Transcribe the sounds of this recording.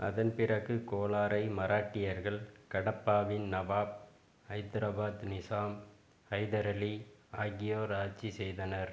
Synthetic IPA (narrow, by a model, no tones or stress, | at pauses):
ʔɐ̰ðɐnpɪrɐɣɯkoːlaːɾɐɪmɐɾaːʈːɪjɐɾɣɐɭkɐɽɐpːaːʋɪnnɐʋaːb̚ | ɐɪd̪ɪɾɐbaːd̪nɪsaːm | ɐɪðɐɾɐliaːɣɪjoːɾaːt͡ʃːisɛjðɐnɐɾ